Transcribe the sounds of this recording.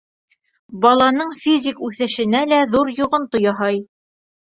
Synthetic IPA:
bɑlˠɑnɤɴfʲizʲikʉθɘ̆ʃɘ̆nælæðuɾjŭʁɤ̆nt̪ojɑɦɑj

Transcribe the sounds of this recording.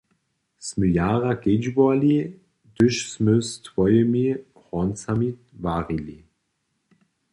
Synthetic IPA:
sməjaːʁaked͡ʒbɔali | d̪ɵʃsməstʰvɔjəmi | ʁɔnt͡sami | vaːʁili

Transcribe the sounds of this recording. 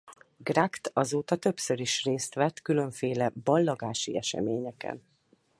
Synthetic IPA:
ɡrakt̪ɒzoːt̪ɒt̪ø̞psøɾiʃreːst̪ʋɛt̪ːkylø̞ɱfeːlɛbɒlːɒɡaːʃḭɛʃɛ̰meːɲɛkɛ̰n

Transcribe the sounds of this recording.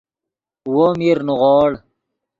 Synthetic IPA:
womiɾnuʁoːɽ

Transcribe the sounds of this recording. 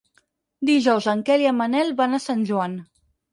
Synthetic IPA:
d̪iʒɔwzəŋkɛliəmanɛlˠβanasanʲʒuan

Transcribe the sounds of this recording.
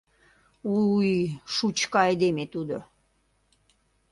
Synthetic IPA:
ujʃut͡ɕkɑejd̪emet̪ud̪o

